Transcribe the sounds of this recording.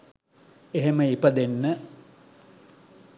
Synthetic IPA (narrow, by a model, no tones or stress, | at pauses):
eɦeməipəd̪enːə